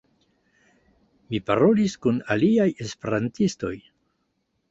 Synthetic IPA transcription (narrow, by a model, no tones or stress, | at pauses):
mipa̰ɾo̞liskunaliaje̞spe̞ɾantisto̞̰j